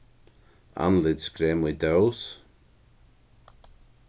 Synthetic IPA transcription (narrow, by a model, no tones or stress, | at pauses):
a̰nlɪd̪skɾɛːmid̪aws